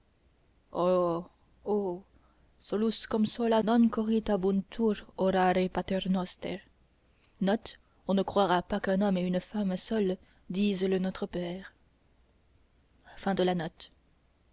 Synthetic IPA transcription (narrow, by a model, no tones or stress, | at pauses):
o | o | sɔluskɔmsɔlanɔ̃nkɔʁit̪abunt̪ʰuɾɔɾaɾepat̪ɛʁnɔst̪ɛ̰ʁ | nɔt̪ | ɔ̃nəkχwaʁapakɛ̃nɔmeynfamsœl | d̪izlənɔt̪χəpɛːʁ | fɛ̃d̪əlanɔt̪